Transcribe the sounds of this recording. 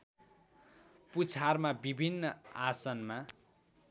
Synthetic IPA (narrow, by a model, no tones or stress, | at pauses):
put͡sʰarmabibʱinːʌasʌnma